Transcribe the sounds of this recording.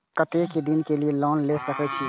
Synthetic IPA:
kət̪eked̪inkelielɔnlesəkɛt͡ʃʰi

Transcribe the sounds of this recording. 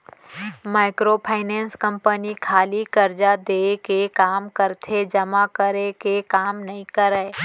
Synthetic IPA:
maːɪkɾopʰaːɪnɛ̃ːnskə̃mpənikʰaːlikɐɾd͡ʒad̪eːkekaːmkəɾt̪ʰed͡ʒɐmakəɾekekaːmnɐɦĩkəɾɛː

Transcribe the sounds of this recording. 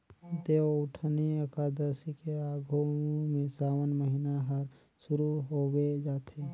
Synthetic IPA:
d̪eoʊʈʰniəkaːd̪əɾsikeaːɡʱomẽsaːwənməɦɪnaɦəɾ | sʊɾuɦowed͡ʒaːt̪ʰe

